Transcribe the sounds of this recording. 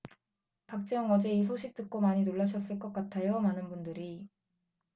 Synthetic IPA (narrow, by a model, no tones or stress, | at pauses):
pak̚t͡ɕ͈ʌŋʌd͡ʑe̞is̬ʰoɕʰik̚t͈ɯk̚k͈omaɲinoɭːaɕʰʌs͈ɯɭk͈ʌk͈atʰajomanɯnbundɯɾi